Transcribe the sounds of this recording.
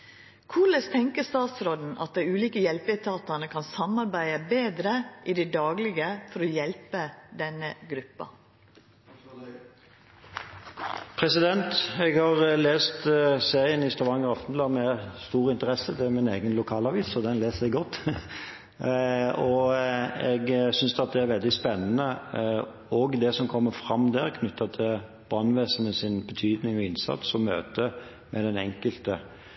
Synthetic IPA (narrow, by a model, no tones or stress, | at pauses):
kʰuːləst̪ʰɛŋkəst̪ɑːt̪sɾɔd̪n̩ʔɑ̰t̪̚d̪æɪʉːliːkəjɛlpɪt̪ʰɑːt̪ɑnəkʰɑnsɑmɑɾbæɪəbeːd̪ɾəʔɪd̪æɪd̪ɑːɡlɪɡəfɔɾɔjɛlpəd̪ɛnːəɡɾʉpːɑ̰ | pʰʁɛsɪd̪ɛnt̪ɛɡhɑʁleːst̪seːʁɪənɪst̪ɑʋɑŋːəʁɑfnlɑmɛst̪uːʁəɪnt̪əɾɛsːəd̪ɛæmɪneːɡənlʊkʰɑːlɑʋiːsɔd̪ɛnleːsɛɡɡɔt̪ː | ɔ | ɛɡsʏnsd̪ɑt̪̚d̪ɛæɾʋɛld̪ɪspɛnːənə | ɔɡd̪ɛsɔmkʰɔmːəɾfɾɑmd̪æːɾkʰnʉt̪ʰːɑt̪ʰɪl | b̥ɑːnʋeːsənəsɪnbət̪ʰyːd̪nɪŋɔɪnsɑ̰t̪sɔmːø̰ːt̪ə | mɛd̪ɛnɛŋkəlt̪ə